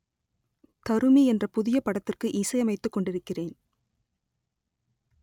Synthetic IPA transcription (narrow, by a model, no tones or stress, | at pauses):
t̪ɐɾɯmiɛndrɐpʊðɪjɐpɐɽɐt̪ːɪrkɯʔiːsɐjɐmɐɪt̪ːɯkːɔɳɖɪɾɯkːɪreːn